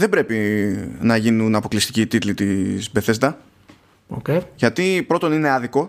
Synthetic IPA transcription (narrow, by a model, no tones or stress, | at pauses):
ðe̞bɾe̞pinɐʝinunɐpo̞klist̪iciːt̪it̪lit̪izbe̞θe̞zd̪ɐ | o̰ceʝɐt̪ipɾo̞t̪o̞nine̞ɐðiko̞